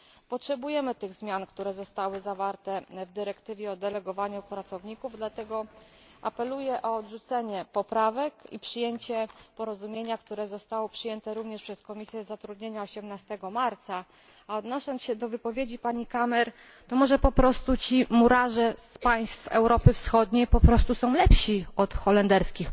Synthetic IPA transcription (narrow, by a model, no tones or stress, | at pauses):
pɔtʂɛbujɛmɘt̪ɘɣzmʲjankt̪uɾɛzɔst̪awɘzavaɾt̪ɛvd̪ɘɾɛkt̪ɘvʲjɛɔd̪ɛlɛɡɔvaɲupɾat̪sɔvɲikuvd̪lat̪ɛɡɔ | ʔapɛlujɛʔɔɔd̪ʐut̪sɛɲɛpɔpɾavɛkḭpʂɘjeɲt͡ɕɛpɔɾɔzumʲjeɲakt̪uɾɛzɔst̪awɔpʂɘjɛnt̪ɛɾuvɲɛʂpʂɛskɔmʲisʲjɛzat̪ɾud̪ɲeɲaɔɕɛmnast̪ɛɡɔmaɾt̪sa | aɔd̪nɔɕɔnɕɛd̪ɔvɘpɔvʲjed͡ʑipaɲikamɛɾ | t̪ɔmɔʐɛpɔpɾɔst̪ut͡ɕimuɾaʐɛspaj̃st̪fɛ̰wɾɔpɘfsxɔd̪ɲejpɔpɾɔst̪usɔ̃w̃lɛpɕiɔt̪xɔlɛnd̪ɛɾskʲix